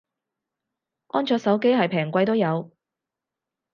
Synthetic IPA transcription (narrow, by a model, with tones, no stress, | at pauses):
ʔɔː˥nt͡ʃʰœː˧k̚sɐ˨˥wke˥jɦɐ˨jpʰɛː˨˩ŋkʷɐ˧jt̪o˥wjɐ˨˧w